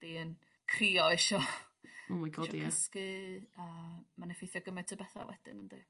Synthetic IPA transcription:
d̥iən | kʰriːɔɛʃɔ | əmaɡʰɔʃdikəskɨəmanɛfejθjɔɡəmɛ̥tʰəbɛθa̰wɛ̰d̥ɨ̰nənd̥ɨ̰

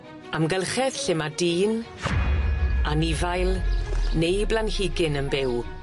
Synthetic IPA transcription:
amɡəlˠχɛð̥ɬɪmadiːn | anɪvajlˠnejblˠanhɪɡɪnəmbɪw

